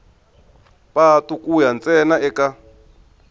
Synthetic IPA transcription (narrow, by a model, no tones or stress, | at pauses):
patukʼujant͡sʼɛnaɛka